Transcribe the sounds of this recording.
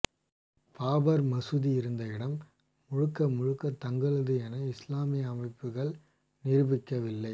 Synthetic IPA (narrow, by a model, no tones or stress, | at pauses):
paːbɐɾmɐsɯðiɪɾɯnd̪ɐɪɽɐmː | ʊɻɯkːɐmʊɻɯkːɐt̪ːɐŋɡɐɭɐðɯɛnɐɪslaːmɪɐmɐɪpːɯɣɐɭ | nɪɾɯbɪkːɐʋɪlːɐɪ